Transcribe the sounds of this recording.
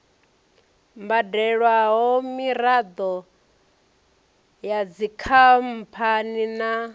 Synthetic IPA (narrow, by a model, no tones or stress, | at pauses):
mbadɛɺwaɦɔmiɾad̪ɔ | jad͡zikʰam̩pʰanina